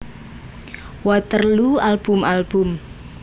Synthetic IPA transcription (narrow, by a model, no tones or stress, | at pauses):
wɔt̪ərlualb̥ʊmalb̥ʊm